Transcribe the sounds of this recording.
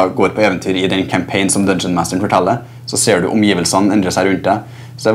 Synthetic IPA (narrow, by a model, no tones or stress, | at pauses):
ɡoːɾpʰɔeːʋənt̪ʰyːɾɪd̪ɛnkʰæmpʰeɪnsɔmd̪œnsənmæːst̪əɳ̩fɔʈʰɑlːə | sɔseːɖʉ̰ʔʊmjiːʋəlsɑnn̩ɛnd̪ɾəsæɾʉnt̪̚d̪æ | sɔd̪æ